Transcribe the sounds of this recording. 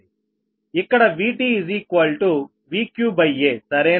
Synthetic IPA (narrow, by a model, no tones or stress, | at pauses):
ikːɐɽɐʋiːʈiːzikʋɐlʈu | ʋiːkjuːbɐjːesɐɾeː